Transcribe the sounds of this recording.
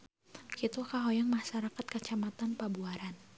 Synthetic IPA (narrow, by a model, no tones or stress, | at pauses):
kit̪ukaɦojaŋmaʃaɾakat̪̚kət͡ʃamat̪anpabuaɾan